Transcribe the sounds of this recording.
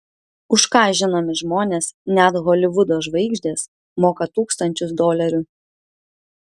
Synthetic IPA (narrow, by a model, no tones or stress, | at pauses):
ʊʃkɑːʒʲɪnoːmʲɪʒmoːnʲeːsnʲæt̪ɣɔːlʲɪʋʊd̪oːʒʋɐɪɡʒʲd̪ʲeːs | moːkɐt̪uːkst̪ɐnʲt͡ʃʲʊsd̪oːlʲɛɾʲʊ